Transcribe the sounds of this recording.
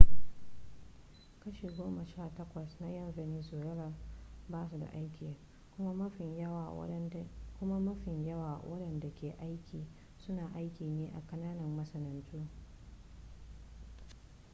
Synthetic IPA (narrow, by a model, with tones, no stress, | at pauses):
kɐ˦ʃeː˨ɡʷoː˦ma˨ʃaː˦˨tɐ˦kʷɐ˨sna˦jɐ˦nzɐ˨niː˦soː˨ɽɐ˦ɾɐ˦baː˦su˨da̰˨ʔa˦jkʲiː˨ | kʷʊ˦ma˦mɐ˦ɸɪ˨ɲjɐ˦wa̰˨˦kʷʊ˦ma˦mɐ˦ɸɪ˨ɲjɐ˦waː˨wɐ˦ɗɐ˨nda˨kʲeː˨ʔa˦jkʲiː˨ | sʊ˦naː˨ʔa˦jkʲiː˨neː˦ʔa˨kɐ˦naː˦nɐ˨mːɐ˦sɐ˦nɐ˨ntuː˦